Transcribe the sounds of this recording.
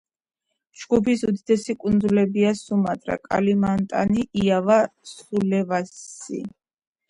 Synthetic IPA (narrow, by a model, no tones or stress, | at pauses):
ʒ̥ɡupʰisud̪id̪ɛsikʼund̪zulɛbiasumat̪ʼɾa̰kʼa̰limant̪ʼa̰niʔiavasχulɛvaḭ